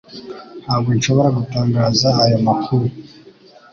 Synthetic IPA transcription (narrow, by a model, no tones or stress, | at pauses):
haːbɡonʃo̞βo̞ɾaɡutaːŋɡaːzaːjamakʰuɾu